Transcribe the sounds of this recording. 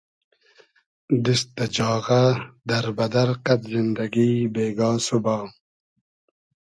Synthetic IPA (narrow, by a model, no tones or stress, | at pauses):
d̪ist̪ɐd͡ʑɑːɣɐd̪ɐɾbɐd̪ɐɾqɐt̪zind̪ɐɡiːbeːɡɑːsubɑː